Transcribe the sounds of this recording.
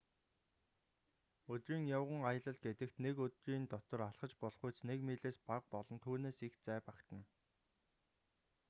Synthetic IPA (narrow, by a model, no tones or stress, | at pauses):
ɵt̪riːŋjawʁə̆ŋajə̆ɮə̆ɮ̚ɡet̪ɘ̆kt̪nekɵt̪riːnt̪ɔt̪ɞ̆raɮχə̆t͡ɕpɔɮχujt͡snekmeːɮeːspaq̚pɔɮɞ̆nt̪ʰuːneːsixt͡sæːpakt̪ə̆n